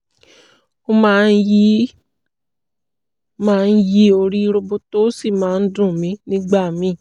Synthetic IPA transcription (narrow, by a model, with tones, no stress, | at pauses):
ko˦mãː˦n̩˦ji˦ | mãː˦˧n̩˦ji˦o˧ɾi˦˧ɾo˧bo˧to˦si˦˨mãː˨˦n̩˦dũ˦˨mĩ˨˦nĩ˦ɡ͡ba˦˨mĩ˨˦˨